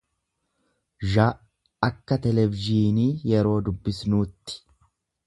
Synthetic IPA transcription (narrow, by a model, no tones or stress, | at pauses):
ʒaː | ɐkːɐt̪ɛlɛvɪʒiːniːjɛɾo̞ːd̪ʊbːɪsnuːt̪ːɪ̥